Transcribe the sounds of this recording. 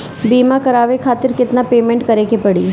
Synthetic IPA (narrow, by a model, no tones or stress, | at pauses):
biːmakɐɾaːʋekʰaːt̪ɪɾkɪt̪napeːmẽːɳʈkɐɾekepɐɽiː